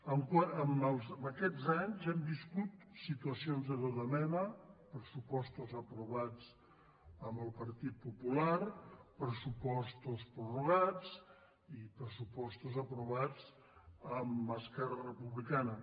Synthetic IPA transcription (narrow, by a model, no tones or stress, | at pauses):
əmkwaəməlˠzəməkɛd͡zaɲzɛmbiskut̪ | sit̪uəsionzðəðoðəmɛnəpɾəsupɔst̪uzəpɾuβad͡z | əmbəlˠpəɾt̪it̪̚pupulaɾpɾəsupɔst̪uspɾuruɣad͡z | ipɾəsupɔst̪uzəpɾuβad͡z | əməskɛɾərəpuβlikanə